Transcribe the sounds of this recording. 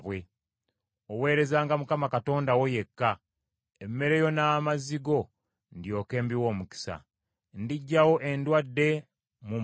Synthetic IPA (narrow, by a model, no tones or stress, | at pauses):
βwe̞ | owe̞ːɾe̞zaːŋɡamukamakato̞ːndawo̞je̞kːa | emːe̞ɾejo̞naːmaziɡo̞ | ndjo̞ːke̞ːmbiwo̞ːmuki̥sa̰ | ndiɟːawo̞ʔe̞ndwadːe̞ | mu